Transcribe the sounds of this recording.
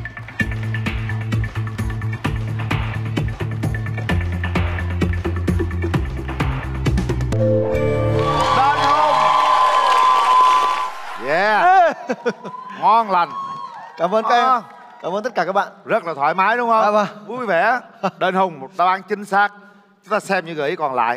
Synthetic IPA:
ɗəː˧nho˧˩ŋ͡m | jɛ˧˩ | ŋɔ˧nla˨˩jŋkaː˧˩mvə˧n˦˧ | kaː˨˧˩mə˧nt̪ə˦˥k̚a˨˩kaː˦˥kɓa̰ː˧˨nzə˦˥t̚laː˨˩t̪ʰwa̰ː˧˩jmaː˨˦jɗʊ˧˦wŋ͡mhə˧ə˧vu˧jvɛ˧˩˦ɗe˧nhə˧wŋ͡mmo˨˩t̚ɗaː˧wʔaː˨˧˦nt͡ɕï˨˦ŋ̟saː˦˥k̚ | t͡ɕʊ˦ŋ͡mt̪aː˧sɛ˧mɲɨ˧ɣəː˨˩ʔi˨˦kɔ˨˩nla̰ː˧˨jʔ

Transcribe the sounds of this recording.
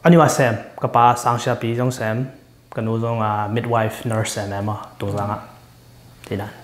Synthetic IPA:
ʔa˦nu˦a˧˨sɛ˨mka˧paː˨˦sa˧ŋsi˧a˧pi˨˦zɔ˧˦ŋsɛ˨m | kə˧˨nu˨˧zɔ˧ŋa˧mi˦t̚wa˧jfnə˧ɹsɛ˨mɛ˨ma˧˨tu˨ŋza˧ŋa˧˨ʔ | ti˨na˨n

